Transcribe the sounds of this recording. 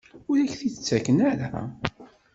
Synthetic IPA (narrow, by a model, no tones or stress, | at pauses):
ʊɾæçθit͡sːækənæɾa̰